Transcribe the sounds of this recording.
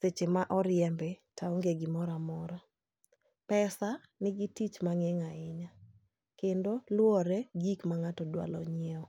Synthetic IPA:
set͡ʃemaʔɔɾɪjɛmbɛtaoŋɡeɡɪmɔɾamɔɾa | pɛsa | nɪɡitit͡ʃmaŋɛŋaɪɲa | kendolwɔɾɛɡikmaŋatɔdwa̰lɔ̰ɲɛɔ

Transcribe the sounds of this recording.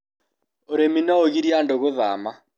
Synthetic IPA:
ʊɾeminaoɣiɾiandɔɣʊða̰ma

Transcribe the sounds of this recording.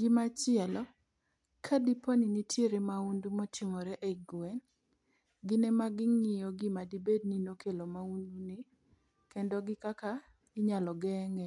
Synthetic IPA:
ɡɪmat͡ʃɪɛlɔ | kʰadiponinitʰjeɾemaundumɔtɪŋɔɾɛʔɛɡwɛn | ɡɪnɛmaɡɪŋɪjɔɡɪmadibed̚ninokʰelomaundunɪ | kɛndɔɡɪkaka | ɪɲalɔɡɛŋɛ

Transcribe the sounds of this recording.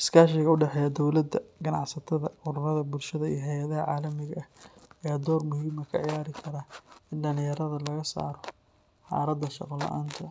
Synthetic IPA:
ɪskʰaːʃɪɣɐʊɖɛħɛjɐd̪ɔwlɐd̪ɐɡɐnɑʕsɐt̪ʰɐðɐʊɾʊrɐðɐbʊlʃɐðɐijɔɦɛjɐðɐɦɐʕaːlɐmɪɣɐɐhɛːd̪ɔːrmʊhiːmɐkʰɐʕɪjaːɾɪkʰɐɾɐɪnɖɐnɪjɐɾɐðɐlɐɣɐsa̰ːɾɔ | ħɑ̰ːɾɐd̪ɐʃɑqɔlɐ̰ʔaːnt̪ʰɐ

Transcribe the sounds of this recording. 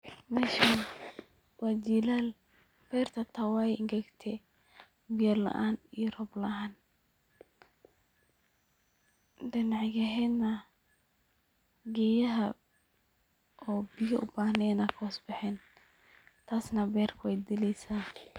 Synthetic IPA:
mɛʃa | waːd͡ʒiːlaːl | b̥ɛːrt̪ʰɐt̪ʰɐwaːjɪŋɡɐɡt̪ʰɛ | bɪjɐlɐ̰ʔaːnijɔrɔblɐʔaːn | ɖɪnaʕɡɐɦɛnɐ | ɡɛːjɐɦɐ | ɔːbɪjɔʔʊbaːhnɛnɐkʰɔːsbɛħɛːn | t̪ʰaːsnɐbɛːrkʰʊwɛjd̪ɪlɛjsaː

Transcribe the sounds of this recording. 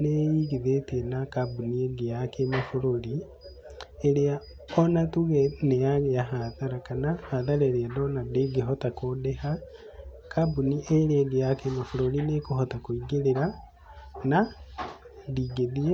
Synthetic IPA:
nejiɣiðetienakabunieɡejakemafoɾoɾi | eɾea | ɔnatuɣenejaɣeaɦaðaɾakanahaðaɾeɾeadɔnadeɡeɦɔtakodeha | kʰabuniʔeɾeɡejakemafoɾoɾinekohɔtakoiɡeɾeɾa | na | ðiːɡeðie

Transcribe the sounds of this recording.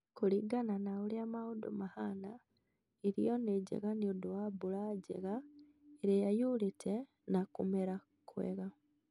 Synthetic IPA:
kuliɡananauliamaudṵmahana | iɾḭjoneɟḛɣaniuduwabulaɟḛɣa | eɾejajulitʰe | nakumeɾa | kwḛɣa

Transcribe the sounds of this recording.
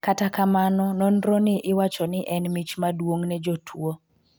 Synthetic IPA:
katakamanɔnɔnɾɔnɪʔɪwat͡ʃɔnɪʔɛnmit͡ʃmadwoŋnɛd͡ʒotʰwo

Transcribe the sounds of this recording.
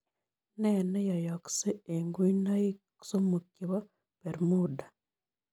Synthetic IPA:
nenejajakseeŋɡuinaji | ku̥somukiβa | peɾimuda

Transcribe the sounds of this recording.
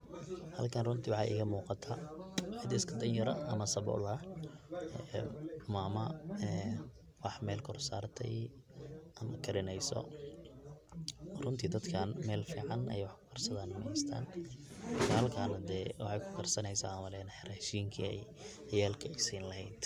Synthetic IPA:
hɐlkʰɐnrʊnt̪ʰiwɑħɑʔɪ̰ɣɐmuːqɑt̪ʰaːħɪd̪ɛskʰɐd̪ɐnjɐɾɐʔɐmɐsɐβɔ̰ːlɐ | ɛmaːmɐɛː | wɑħmɛːlkʰɔrsaːrt̪ʰɛ̰j | ɐmɐkʰɐɾɪnɛjsɔ̰ | rʊnt̪ʰiːd̪ɐd̪kʰaːnmɛːlfḭːʕɑnɛ̰jwɑħkʰʊ̥kʰɐrsɐðanmɛjst̪ʰa̰ːnmɐrkʰahɐlkʰaːnɐd̪ɛːwɑħɑjkʰʊ̥kʰɐrsɐnɛjsa̰ːɐmɐlɛːnħɪɾaʃiːŋkʰḭɛ̰j | ɐjaːlkʰɐsiːnlɐhɛjd̪

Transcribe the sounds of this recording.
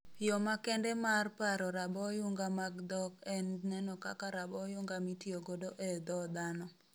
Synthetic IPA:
jɔmakɛndɛmarpaɾɔɾabɔjuŋɡamaɡd̪ɔkɛnnɛnɔka̰kaɾabɔjʊŋɡamitioɡodoʔed̪ɔd̪anɔ

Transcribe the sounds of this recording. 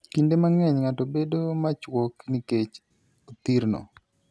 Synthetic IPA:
kindemaŋɛɲŋatobedomat͡ʃwɔkniket͡ʃ | ot̪iɾnɔ̰

